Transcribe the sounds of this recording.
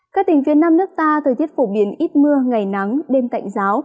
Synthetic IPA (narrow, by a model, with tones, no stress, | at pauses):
kaː˦˥k̚t̪ï˨˩ŋ̟fi˨˦ənaː˧mnɨ˦˥ək̚t̪aː˧t̪ʰə˨˩jt̪i˦˥ət̚fo˧˩ɓi˨˩ənʔi˦˥t̚mɨ˧əŋa˨˩jna˨˦ŋɗe˧nk̪a̰˧˨jŋ̟zaː˨˦w